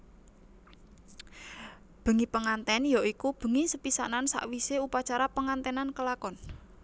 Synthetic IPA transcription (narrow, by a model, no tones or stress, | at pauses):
b̥ə̤ŋipəŋant̪ɛnjɔikub̥ə̤ŋisəpisanansa̰ʔwiseupat͡ʃaɾapəŋant̪ɛnankəlakɔn